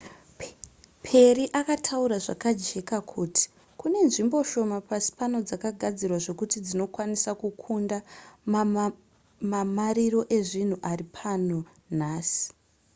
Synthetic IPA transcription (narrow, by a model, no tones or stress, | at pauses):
pʰe̞riʔakatʰauɾaʐakad͡ʒe̞kakʰuːti̥ | kune̞nʐimbo̞ʃo̞mapasi̥pano̞d͡zakaɡʱad͡zirwaʐe̞kutid͡zino̞kwanisakukʰunda | mamaɾiro̞ʔe̞ʐin̤uʔaripʰano̞ | naːsi̥